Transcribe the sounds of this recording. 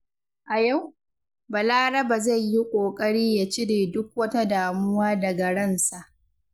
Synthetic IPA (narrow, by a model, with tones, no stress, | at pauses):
ʔa˨ja˦˨w | ba˨laː˦ɾɐ˦ba˨za˦˨jji˦kʷʼoː˨kʼɐ˦ɽiː˦ja˨t͡ʃɪ˦ɽeː˨dʊ˦k̚wɐ˦ta˦daː˨mʊ˦waː˦dɐ˨ɡɐ˨ɽɐ˦nsa˨ʔ